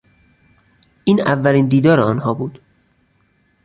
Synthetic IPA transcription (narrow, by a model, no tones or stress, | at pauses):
ʔiːnævːæliːnd̪iːd̪ɒːɾeɒːnhɒːbuːd̪̥